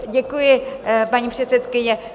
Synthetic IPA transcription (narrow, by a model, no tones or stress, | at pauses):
ɟɛkujɪpaɲiːpr̥ɛt̪sɛt̪kɪɲɛ